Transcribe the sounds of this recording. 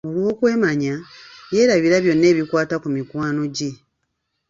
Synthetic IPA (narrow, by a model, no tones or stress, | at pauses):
o̞lwo̞ːkwe̞ːmaɲaje̞ːɾaβiɾaβjo̞nːe̞ːβikwaːtakumikwaːno̞ɟe